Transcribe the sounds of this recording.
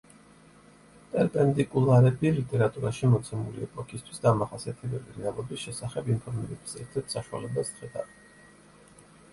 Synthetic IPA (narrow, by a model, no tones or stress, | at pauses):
p̪ʼɛɾpʼɛnd̪ikʼulˠaɾɛbilit̪ʼɛɾat̪ʼuɾaʃimɔt̪sʰɛmuliɛpʼɔkʰʼist̪ʰwisd̪amaχasiat̪ʰɛbɛliɾɛalˠɔbisʃɛsaχɛbimpʰɔɾmiɾɛbi̥sɛɾt̪ʰɛɾt̪ʰsaʃua̰lɛbast̪χɛd̪a̰v